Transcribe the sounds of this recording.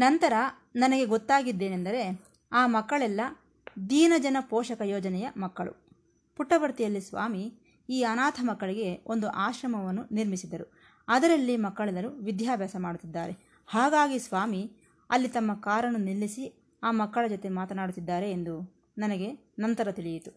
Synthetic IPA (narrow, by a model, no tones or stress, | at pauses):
nɐnt̪ɐɾɐ | nɐnɐɡe̞ɡɔt̪ːaːɡid̪ːe̞ːnend̪ɐɾe̞ | aːmɐkːɐɭɛlːɐ | d̪iːnɐd͡ʒɐnɐpɔːʃɐkɐjɔːd͡ʒɐnɛjɐmɐkːɐɭṵ | puʈːɐʋɐɾt̪ijɐlːisʋa̰ːmi | iːɐnaːt̪ʰɐmɐkːɐɭiɡe̞o̞nd̪uʔaːʃɾɐmɐʋɐnːuniɾmisid̪ɐɾu | ɐd̪ɐɾɐlːimɐkːɐɭɛlɐɾuʋid̪ʱjaːbjaːsɐmaːɽut̪ːid̪ːaːɾe̞ | haːɡaːɡisʋaːmi | ɐlːit̪ɐmːɐkaːɾɐnunilːisi | aːmɐkːɐɭɐd͡ʒɔt̪e̞maːt̪ɐnaːɽut̪ːid̪ːaːɾe̞ːnd̪u | nɐnɐɡe̞ | nɐnt̪ɐɾɐt̪iɭijit̪u